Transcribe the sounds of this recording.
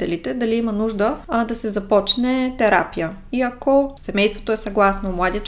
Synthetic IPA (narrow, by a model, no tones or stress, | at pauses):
t̪ɛlit̪ɛd̪ɐliimɐnuʒd̪əd̪ɐsɛzɐpɔt͡ʃnɛt̪ɛɾa̰pijə | iɐkosɛmɛjst̪vo̥t̪oɛsɐɡlˠasnomlˠad̪i